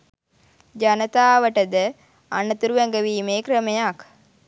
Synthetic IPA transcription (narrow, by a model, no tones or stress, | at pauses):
d͡ʒɐnɐt̪aːʋəʈəd̪ə | anːət̪uɾuʋæŋɡəʋiːmeːkɾəmejak